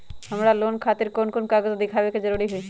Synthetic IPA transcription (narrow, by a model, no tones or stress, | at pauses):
həmɾaloːnkʰaːt̪ɪɾkoːnkonkaːɡəzd̪ɪkʰaːʋekezəɾuːɾiɦʊi